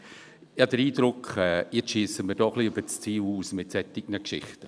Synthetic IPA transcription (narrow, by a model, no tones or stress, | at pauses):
jɑd̥əɾiːdɾʊkɛːjɪt͡sʃiːsəməɾdɔχliøb̥ət͡st͡siːluːsmɪtsɛtːɪɡ̚nəkʃɪ̰χtə